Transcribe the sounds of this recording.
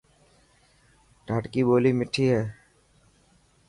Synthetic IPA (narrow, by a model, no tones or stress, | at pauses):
ʈaːʈkiboːlimɪʈʰːiɦɛː